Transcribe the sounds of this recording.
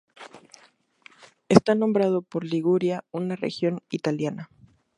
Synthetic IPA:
est̪anõ̞mbɾað̞o̞po̞ɾliɣuɾjaunarḛxjo̞nit̪aljana

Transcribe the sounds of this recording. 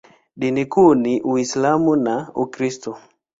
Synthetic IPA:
ɗinikuniʔuislamunaukɾistɔ

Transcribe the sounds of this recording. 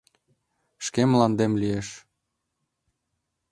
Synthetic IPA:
ʃkemlɑnd̪emlieʃ

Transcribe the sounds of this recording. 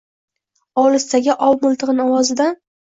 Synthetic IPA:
ɒlˠɪst̪ʰaɡʲaʔɒwmʊlˠt̪ʰɨʁɨnɒwɒzɪd̪a

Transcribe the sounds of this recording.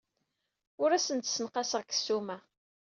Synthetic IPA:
ʊɾæsənt̪sənqɑsəʁkə̥sːumæ

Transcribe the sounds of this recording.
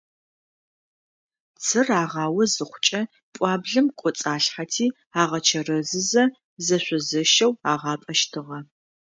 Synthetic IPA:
t͡sʰɨraːʁɑːwɐzɨχʷʊt͡ʃʼɐ | pʷʼɑːbɮɨmkʷʼɔt͡sʼaːɬħatʰiː | aːʁɐt͡ʃʰɐrɐzɨzɐ | zɐɕʷɔzɨʃɐwaːʁɑːpʼɐʃtʰɨʁɐ

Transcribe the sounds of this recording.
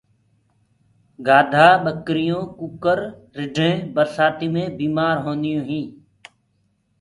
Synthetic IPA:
ɡaːd̪ʱaːɓəkɾɪjõːkukəɾː | ɪɖʱẽːbəɾsaːt̪iːmẽːbiːmaːɾɦõːnd̪ɪjõːɦĩː

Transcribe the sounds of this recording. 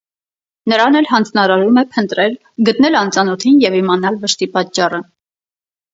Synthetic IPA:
nəɾɑnɛlɦɑnd͡znɑɾɑɾumɛpʰənt̪ɾɛl | ɡət̪nɛlɑnt͡sɑnɔt̪ʰinjɛvimɑnɑlvəʃt̪ipɑt̪t͡ʃɑrə

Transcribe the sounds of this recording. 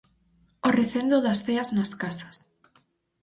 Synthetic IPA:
oreθend̪oðasθeaznaskasḁs

